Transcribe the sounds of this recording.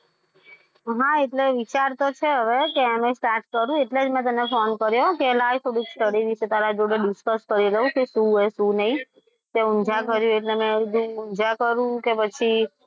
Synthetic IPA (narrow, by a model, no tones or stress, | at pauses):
ɦãeʈleʋit͡ʃaɾt̪ot͡ʃʰeɦəʋekeamẽsʈaɾʈ̚kəɾũeʈled͡ʒmɛ̃t̪̬əmnefonkəɾjokelajt̪ʰoɽiksʈəɽiʋiʃet̪aɾad͡ʒoɽeɖɪskəskəɾiɾəũkeʃũeʃũnəĩ | t̪eund͡ʒʱakəɾjũeʈlemɛ̃d̪ʱũund͡ʒʱakəɾũkepət͡ʃʰi